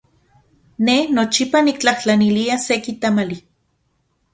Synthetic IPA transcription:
nenot͡ʃipanikt͡ɬaht͡ɬaniliasekit̪amali

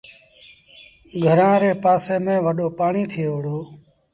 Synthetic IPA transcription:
ɡʱəɾãːɾeːpaːseːmẽːʋəɗoːpaːɳiːt̪ʰɪjeːʋəɽoː

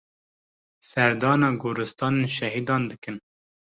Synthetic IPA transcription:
sɛɾd̪ɑːnɑːɡuɾɨst̪ɑːnenʃɛɦiːd̪ɑːnd̪ɨkɨn

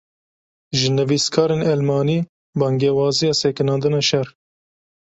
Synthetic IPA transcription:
ʒɨnɨviːskʰɑːɾeːnɛlmɑːniː | bɑːŋɡeːwɑːzijɑːseːkɪnɑːnd̪ɨnɑːʃɛɾ

